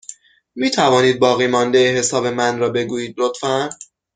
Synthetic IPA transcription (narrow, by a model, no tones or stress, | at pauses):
miːt̪ʰævɒːniːd̪̚bɒːɣiːmɒːnd̪ejeɦe̞sɒːbe̞mænɾɒːbe̞ɡuːjiːd̪lot̪fæn